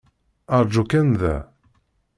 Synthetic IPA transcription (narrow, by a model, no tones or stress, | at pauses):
əɾˤd͡ʒukænðæ̰